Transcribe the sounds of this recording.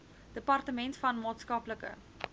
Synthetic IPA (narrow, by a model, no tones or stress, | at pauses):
d̥əpɐrtəmɛntsfɐnmɑːtskɐpləkə̰